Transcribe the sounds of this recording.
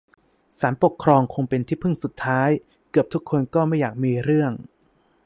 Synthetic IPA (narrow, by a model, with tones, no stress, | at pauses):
saː˩˦npo˨˩kʰɾɔː˧ŋkʰo˧ŋpe˧nt̪ʰiː˥˩pʰɯ˥˩ŋsu˨˩t̪ʰːaː˦˥j | kɯ˨˩əp̚t̪ʰu˦˥kʰːo˧nkɔː˥˩ma˥˩jaː˨˩k̚miː˧ɾɯ˥˩əŋ